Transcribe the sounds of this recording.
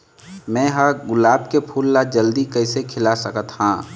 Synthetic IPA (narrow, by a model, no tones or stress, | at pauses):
mɛ̃ːɦəɾɡʊlaːb̚kepʰuːlːad͡ʒəld̪ikəɪsekʰɪlasəkət̪hãː